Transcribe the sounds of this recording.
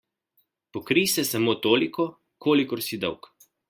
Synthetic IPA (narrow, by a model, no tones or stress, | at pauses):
pɔkɾisɛsamoːt̪oːlikɔ | kʰoːlikɔɾsid̪ɔwk